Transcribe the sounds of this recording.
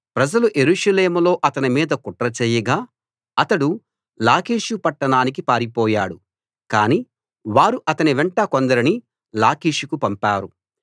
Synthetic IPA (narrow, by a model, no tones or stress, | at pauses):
pɾɐd͡ʒɐluʔe̞ɾuːʂɐleːmulo̞ːʔɐt̪ɐnimiːd̪ɐkuʈɾɐt͡ʃeːjːɐɡaː | ɐt̪ɐɽu | laːkiːʂupɐʈːɐɳaːnik̬ipaːɾipɔːja̰ːɽu | kaːniː | ʋaːɾuʔɐt̪ɐniʋɛɳʈɐkond̪ɐɾini | laːkiːʂukupɐmpaːɾu